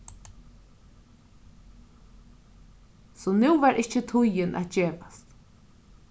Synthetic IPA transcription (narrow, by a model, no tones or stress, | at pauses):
sɔnuwvɛɾʔɪht͡ʃət̪ʰʊjɪnʔa̰t̪̚d͡ʒeːpḁst̪